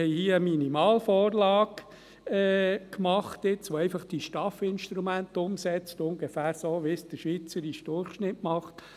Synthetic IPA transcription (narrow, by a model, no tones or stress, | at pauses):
hɛɪhiːəəminimɑːlfɔːɾlɑːɡ | ɛːkmɑχt̪ɪt͡sʋoɛɪfɑχd̥iʃtɑfɪnʃt̪ɾumænt̪ʊmsɛt͡stʊŋɡefæːɾsoːʋɪsd̥əɾʃʋit͡səɾiʃd̥ʊrχʃnɪtmɑχt